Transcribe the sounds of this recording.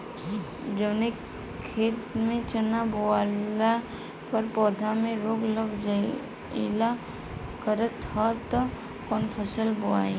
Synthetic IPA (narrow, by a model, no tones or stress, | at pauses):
d͡ʒəʋne | kʰeːt̪mẽt͡ʃənaboala | pɐɾpɔːd̪ʱamẽɾoːɡləɡd͡ʒa | ila | kəɾət̪at̪ɔ | kɔːnpʰəsəlboa̰ːje